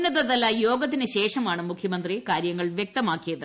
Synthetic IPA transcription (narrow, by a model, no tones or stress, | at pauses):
nːɐðɐðɐlːɐjo̞ːɡɐt̪̬ːinɨɕe̞ːʂɐmaːɳɨmukʰjɐmɐnd̪rikaːɾjɐŋːɐɭʋjek̚t̪ɐmaːkːijɐðɨ